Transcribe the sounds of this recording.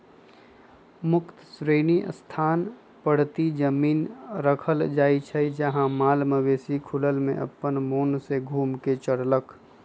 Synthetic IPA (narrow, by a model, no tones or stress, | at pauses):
mʊkt̪sɾeːnḭst̪ʰaːn | pəɽ̤t̪id͡ʒəmiːnɾəkʰəld͡ʒaːit͡ʃʰəid͡ʒəɦãmaːlməʋeːsikʰʊləlmḛ̃ʔə̰pːənmoːnseɡʱuːmket͡ʃəɽlək